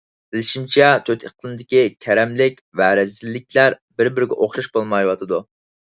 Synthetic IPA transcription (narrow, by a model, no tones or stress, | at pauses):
b̥ɪlɪʃimt͡ʃʰɛt̪ʰøt̪ʰeqʰlˠɨmd̪ɪkʲikʲʰɛɾɛmlɪkʲvɛɾɛzɪlːɪk̚ʲʰlæɾ | bɪɾbɪɾɪɡʲɛʔoχʃɑʃbolˠmɑjwɑt̪ʰɨd̪u